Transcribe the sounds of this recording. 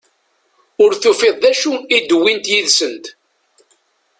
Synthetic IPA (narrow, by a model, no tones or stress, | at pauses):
ʊɾθufeðˤðæʃuid̪wint̪jiðsənt̪